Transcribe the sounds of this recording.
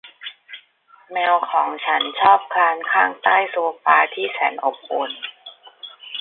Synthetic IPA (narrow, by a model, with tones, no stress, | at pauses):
mɛː˧wkʰɔː˩˦ŋt͡ɕʰa˦˥nt͡ɕʰɔː˥˩p̚kʰaː˧nkʰaː˥˩ŋt̪aː˥˩jsu˧ɐpaː˧t̪ʰiː˥˩sɛː˩˦nʔo˨˩p̚ʔo˧n